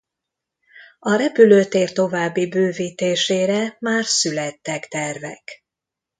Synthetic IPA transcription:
ɒɾɛpyløːt̪eːrt̪o̞vaːbːibøːviːt̪eːʃeːɾɛmaːrsylɛt̪ːɛkt̪ɛrvɛ̰k

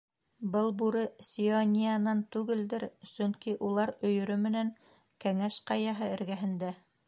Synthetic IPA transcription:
bɤlˠbuɾɤsʲionʲijanɑnt̪ʉɡɘld̪ɘɾsɵ̆ŋkiʔulˠɑɾɵ̆jɵ̆ɾɵmɘ̆næŋ | kæŋæʃqɑjɑɦɤɘ̆ɾɡæɦɘ̆nd̪æ

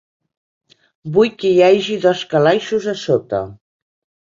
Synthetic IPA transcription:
bujkəjaʒiðɔskalajʃuzəsot̪ə̰

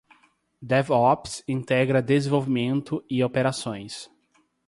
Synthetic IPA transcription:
d̪ɛvɔpsĩnt̪ɛɡɾɐd̪ezẽvowvimẽnt̪ʊɪopeɾasõj̃s

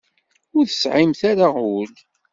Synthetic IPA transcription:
ʊɾθə̥sʕimθaɾaʊl

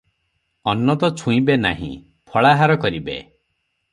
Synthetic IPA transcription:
ɔnːɔt̪ɔt͡ʃʰũĩbena̰ɦḭ̃ | pʰɔɭaɦaɾɔkɔɾibḛ

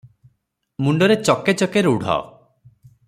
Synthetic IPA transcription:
muɳɖɔɾet͡ʃɔket͡ʃɔkeɾuɽ̤ʱa̰ɔ̰

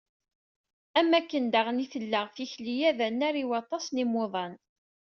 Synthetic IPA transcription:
æmːækːənd̪əʁniθəlːəʁfiçlijæðænːæɾiwɑt̪ˤɑsnimoðˤɑn

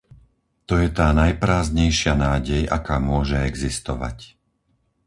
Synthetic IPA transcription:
t̪ɔjɛt̪aːnajpɾaːzɲɛjʃɪanaːɟɛja̰kaːmʊɔʒɛɛɡzist̪ɔ̰ʋa̰c

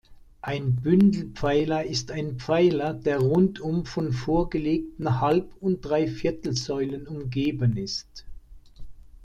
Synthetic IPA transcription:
ʔaɪnbʏndl̩pp͡faɪlɐɪstaɪnp͡faɪlɐd̥eːɐʁʊntʰʊmfɔnfoːɐɡəleːk̚tn̩halpʊnt̚d̥ʁaɪfɪɐtl̩zɔʏlənʊmɡeːbənɪst

